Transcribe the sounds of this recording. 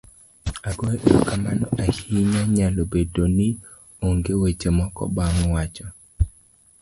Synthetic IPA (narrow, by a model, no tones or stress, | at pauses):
aɡɔɛʔeokamanɔahiɲaɲalobedonɪ | oŋɡewet͡ʃemɔkɔ̰baŋwat͡ʃɔ